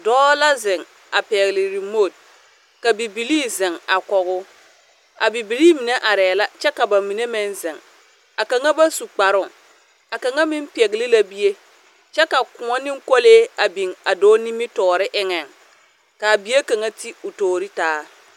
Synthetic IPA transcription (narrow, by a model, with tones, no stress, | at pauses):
dɔː˦la˦zɪ˨ŋ | a˨pɛ˨ɣlɪ˨ɾi˨mo˦˨d̚ | ka˨bi˨bi˨liː˦zɪ˨ŋa˨kɔ˨ɣʊ˦ | a˨bi˨bi˨liː˦mi˨ne˦ʔa˨ɾɛː˨la˦t͡ʃɛ˦ka˨ba˨mi˨ne˦mɛ˦nzɪ˨ŋ | a˨ka˨ŋa˦ba˦su˨k͡pa˨ɾʊ˨ŋ | a˨ka˨ŋa˦mɪ˦m˦pɛ˨ɣɪ˨lɪ˦la˦bi˦je˦ | t͡ʃɛ˦ka˨kʊ˨ŋɔ˦nɪ˦ŋko˦leː˦a˨bi˨ŋa˨doː˦ni˦mɪ˦tɔː˨ɾɪ˦ʔɪ˦ŋɛ˨ŋ | ka˨bi˨˦e˦ka˨ŋa˦ti˦ʊ˨toː˨ɾi˦taː˦